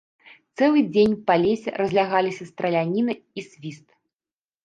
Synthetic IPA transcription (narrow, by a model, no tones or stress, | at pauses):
t̪sɛlˠɨd͡zʲenʲpalʲesʲɛ̰ɾɐzʲlʲaɣalʲisʲɐst̪ɾɐlʲanʲinɨ | isʲvʲist̪